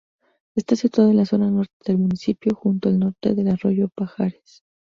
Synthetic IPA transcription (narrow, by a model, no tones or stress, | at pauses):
e̞st̪asit̪waðoenlaso̞nano̞ɾt̪eðe̞lmunisipjo̞xunt̪oalno̞ɾt̪e̞̰ðe̞laro̞ʝo̞paxaɾes